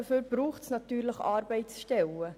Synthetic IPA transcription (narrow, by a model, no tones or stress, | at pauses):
əføːɾb̥ɾuːχtsnɑt̪yːɾləχɑːɾbɛɪtsʃtɛlə